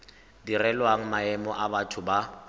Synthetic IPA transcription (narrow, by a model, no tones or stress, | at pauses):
dirɛlwaŋ̩maɛmɔʔabatʰʊba